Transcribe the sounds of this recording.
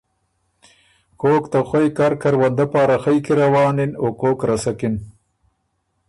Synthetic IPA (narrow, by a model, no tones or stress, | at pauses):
koːkt̪axajkaɾkaɾwand̪apɑːɾaxajkiɾawɑːnɪnokoːkɾasakɪn